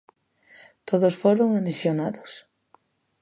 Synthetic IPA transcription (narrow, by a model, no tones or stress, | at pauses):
t̪oðosfoɾoŋanesjonaðos